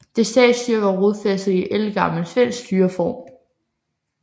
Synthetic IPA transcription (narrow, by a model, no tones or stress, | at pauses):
d̥e̝sd̥ɛ̰̥ːsyɐʋɑʁoðˠfes̩ˠiʔelɡ̥ɑ̈məl̩sʋen̰sd̥yːɐfɒ̰ːm